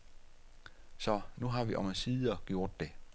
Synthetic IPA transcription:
sɒ̽nuɦɑ̈ʋiʔɒmæsiːð̩ˠɐɡ̥jo̝ɐ̰d̥ːe̝

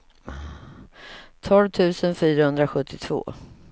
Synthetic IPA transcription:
t̪ʰɔlvt̪ʰʉ̟ːsənfyːɾahɵnd̪ɾaɧɵt̪ʰːɪt̪ʰv̥o̰ː

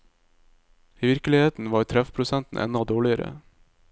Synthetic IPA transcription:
iːʋɪɾkəlɪheːt̪n̩ʋɑːɾt̪ʰɾɛfpʰɾʊsɛnt̪n̩ʔɛ̰nɔd̪oːɭɪəɾə̰

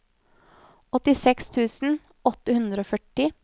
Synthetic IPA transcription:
ɔt̪ɪsɛkst̪ʰʉːsn̩ | ɔt̪ːəhʉnd̪ɾəoːfœʈɪ

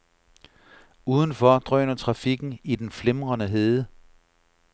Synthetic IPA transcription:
uːð̞ˠən̩fɒd̥ʁœnɐt͡sʰʁɑ̈fiɡ̥n̩id̥enflemʁɐnəɦeːðˠə

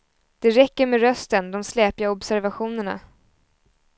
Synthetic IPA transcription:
d̪̥ɛɾɛkːəɾmeːɾœst̪ənd̪ɔmslɛːpjaɔbsæɾvaɧuːnəɳa̰

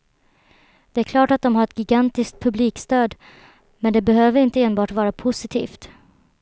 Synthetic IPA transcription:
d̪̥ɛæɾkʰlɑːʈat̪̚d̪ɔmɦaɾɛt̪̚ɡɪɡant̪ɪsk̚t̪̚pʰɵbliːkst̪øːd̪ | mɛnd̪ɛbɛɦøːvəɾɪnt̪əeːnbɑːʈvɑːɾapʰʊsɪt̪ʰḭːft̪

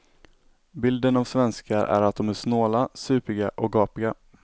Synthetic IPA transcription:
bɪld̪ənavsvɛnskʰaɾʔæ̰ɾat̪̚d̪ɔmæʂnoːlasʉ̟ːpɪɡaʔɔk̚ɡɑːpɪɡa

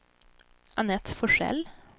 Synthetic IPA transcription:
ʔɑnɛt̪fɔʂɛ̰l

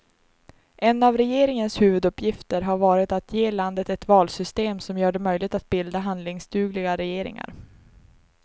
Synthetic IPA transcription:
ʔɛnːavɾɛjeːɾɪŋənshʉ̟ːvɵd̪ɵpːjɪft̪əɾɦaɾvɑːɾɪt̪at̪ʰjeːland̪ət̪ɛt̪vɑːlsʏst̪eːmsɔmjœːɖɛmœjlɪɡ̚t̪at̪̚bɪld̪aɦand̪lɪŋsd̪ʉːɡlɪɡaɾɛjeːɾɪ̰ŋa̰ɾ

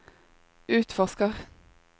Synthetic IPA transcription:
ʉːt̪fɔskəʁ

